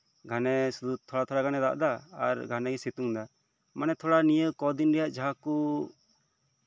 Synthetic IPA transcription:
ɡʱanɛsud̪ut̪ʰɔɽat̪ʰɔɽaɡanɛd̪a̰ʔd̪aa̰ɾɡʱanɛɡɛsit̪uŋd̪a | manɛt̪ʰɔɽanijəkɔd̪inɾɛjaʔd͡ʒaɦaku

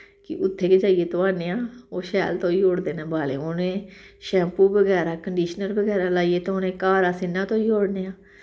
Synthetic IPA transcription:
kɪ̰ʔʊt̪ʰːeːkɪd͡ʒaːiːeːt̪oːaːneːaːoːʃɛːlt̪õːiːɦoːɽd̪eːnẽːbaːlḛːoːnẽː | ʃɛ̃ːmpuːbəɡɛːɾaːkəɳɖiːʃnəɾbəɡɛːɾaːlaːijeːt̪õoːnẽːkaːɾaːsɪnːãːt̪õːiːoːɽneːãː

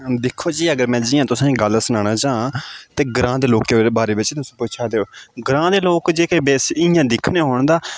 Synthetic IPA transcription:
d̪ɪkʰːoːd͡ʒiːəɡəɾmɛ̃ːd͡ʒɪːãːt̪ʊsãːĩːɡəlsənãːɽaːd͡ʒãːt̪eːɡɾãːd̪eːloːkebaːɾeːbɪt͡ʃt̪ʊsĩːpʊːt͡ʃʰaːd̪eːoːɡɾãːd̪eːloːkd͡ʒeːkeːbeːsɪjãːd̪ɪkʰneːɦoːɳ̃d̪aː

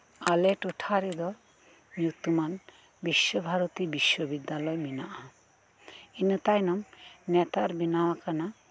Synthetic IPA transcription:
aleʈuʈʰaɾid̪ɔɾ | nut̪uman | biʃːobʱaɾot̪ibiʃːobid̪ːalɔjminaʔa | inət̪ajnɔmnɛt̪aɾbinawakana

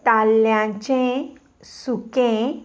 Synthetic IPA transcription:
t̪aljãt͡ɕẽ | sukẽ

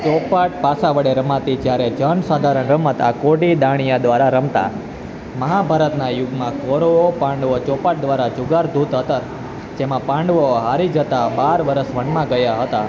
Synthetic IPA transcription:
t͡ʃɔpaʈ̚pasaʋəɽeɾəmãt̪id͡ʒjaɾed͡ʒənsad̪ʱaɾəɳɾəmət̪a̰koɽid̪aɽ̃ijad̪ʋaɾaɾəmt̪a̰ | məɦabʱaɾət̪najʊɡmãkoɾoopãɳɖʋot͡ʃɔpaʈ̚d̪ʋaɾad͡ʒʊɡaɾd̪ʱut̪ɦət̪əɾ | d͡ʒemãpãɳɖʋoɦaɾid͡ʒət̪abaɾʋəɾəsʋəɳmãɡəjaɦət̪a

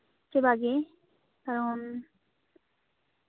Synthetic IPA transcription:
t͡ʃebaɡe | kaɾon

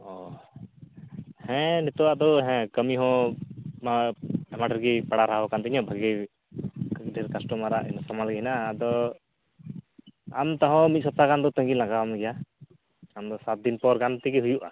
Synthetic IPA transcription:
ɔ | hɛ̃nɛt̪ɔwaʔd̪ɔɦɛ̃kəmiɦɔ̃maɛmaʈəɾɡipaɽaɾaɦabɔkant̪iɲɔ̃bʱaɡi | ɖʱɛɾkasʈɔmaɾaʔɛnɔsɔmalɡɛɦinaʔad̪ɔ | a̰mt̪ɔɦɔ̃mit̪̚sɔt̪aɡand̪ɔt̪ə̃ŋɡilaɡamɡɛja | amd̪ɔsat̪̚d̪inpɔɾɡant̪iɡiɦujuʔa

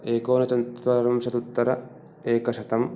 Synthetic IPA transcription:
eːkoːnɐt͡ʃɐnt̪ʋɐɾɐmsɐt̪ut̪ːɐɾɐ | eːkɐʃɐt̪ɐm

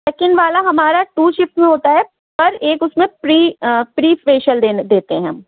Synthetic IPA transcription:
leːkɪnʋaːlaɦɐmaːɾaʈuːʃɪpmẽɦoːt̪aɦɛ | pɐɾeːkʊsmẽpɾiːpɾiːfeːʃəld̪ed̪eːt̪eɦɛ̃

